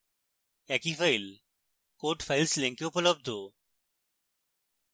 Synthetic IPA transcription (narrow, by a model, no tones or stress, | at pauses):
ɛkifəɪl | koːʈfaɪlslẽŋkioʊpələb̚d̪ʱo